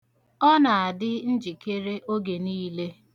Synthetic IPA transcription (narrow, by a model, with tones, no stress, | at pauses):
ɔ˦na˨a˨dɪ˦n̩˦d͡ʒi˨ke˦ɾe˦ʔo˦ɡe˨niː˦le˦